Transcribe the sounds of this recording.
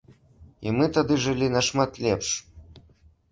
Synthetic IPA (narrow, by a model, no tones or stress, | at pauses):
ḭmɨt̪ad̪ɨʐɨlʲinɐʂmat̪lʲɛpʂ